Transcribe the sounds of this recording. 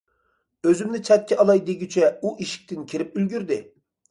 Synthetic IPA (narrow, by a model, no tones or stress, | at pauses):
øzymnɪt͡ʃʰɛt̪̚kʲʰɛʔɑlˠɑjd̪eɡʲyt͡ʃʰɛuʔiʃi̥k̚ʲt̪ʰɪnkʲʰiɾɪp̚ylɡʲyɾd̪ɪ